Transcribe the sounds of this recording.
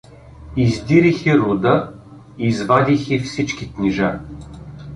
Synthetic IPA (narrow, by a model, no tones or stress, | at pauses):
izd̪iɾixɛɾʊd̪ə | izvad̪ʲixifsit͡ʃkiknʲiʒa